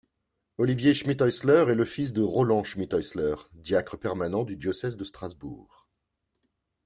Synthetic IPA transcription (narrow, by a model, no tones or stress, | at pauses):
ɔlivjeʃmit̪ɔjslœʁɛləfis̬d̪əʁɔlɑ̃ʃmit̪ɔjslœʁd̪jakχəpɛʁmanɑ̃d̪yd̪jɔsɛzd̪əst̪χazbṵːʁ